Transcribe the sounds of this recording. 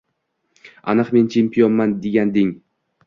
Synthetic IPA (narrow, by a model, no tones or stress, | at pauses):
a̰nɨqment͡ʃʰempionmand̪eɡʲand̪ɪŋ